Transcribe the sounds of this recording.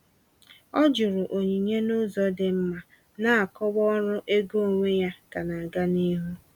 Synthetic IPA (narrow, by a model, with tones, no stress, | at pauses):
ɔ˦d͡ʒʊ˨ɾʊ˨ʔo˨ɲi˨ɲe˦nʊ˦zɔ˦dɪ˨m̩˦ma˨ | na˦a˨kɔ˦wɔ˦ɾʊ˦ʔe˦ɡo˦˨ŋʷe˦ja˦ka˨na˨a˨ɡa˦ni˦ɦu˦